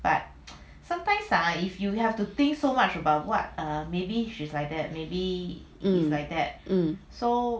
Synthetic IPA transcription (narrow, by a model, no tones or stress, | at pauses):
b̥at̚ | sãmtãɪ̃msaifjuhɛftut̪ɪ̃ŋksomat͡ʃəbaʊt̚wɔt̚ʌmebiʃislaɪjk̚d̪ɛt̚mebi | islajk̚d̪ɛt̚so